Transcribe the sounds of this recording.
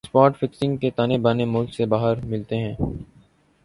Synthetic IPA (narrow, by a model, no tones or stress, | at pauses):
spaːʈfɪksɪ̃ŋɡket̪aːnebaːnemʊlksebaːɦəɾmɪlt̪eɦɛ̃ː